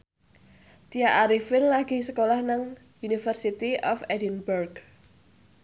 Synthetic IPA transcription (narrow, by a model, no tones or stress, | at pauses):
t̪ijaʔaɾifɪnlaɡ̥isəkolahnaŋ | unifərsit̪iʔɔfɛdinburɡ